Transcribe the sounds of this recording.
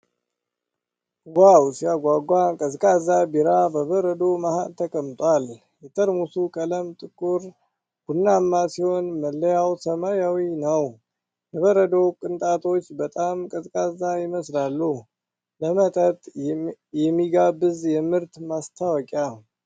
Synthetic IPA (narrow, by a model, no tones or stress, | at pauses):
wawsijaɡʷaɡʷakʼəzkʼazabiɾabəβəɾəd̪o̞mahalt̪ʰəkʼəmt̪ʼwʷal | jɛt̪ʰəɾmusukʼələmt̪ʼɨkʼuɾ | ɡ̥unːamːasiho̞nməlːəjawsəmajawinəw | j̪ɛβəɾəd̪okʼɨnt̪ʼat̪ʰo̞t͡ʃːbət̪ʼamkʼəzkʼazajɪməslalːu | ləmət̪ʼət̪ʼjɛmːiɡabɨzjɛmɨɾt̪mast̪ʰawɔkʼja